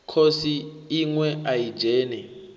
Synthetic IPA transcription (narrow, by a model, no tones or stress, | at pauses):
kʰosiːŋwɛaji̥d͡ʒʱɛːnɛ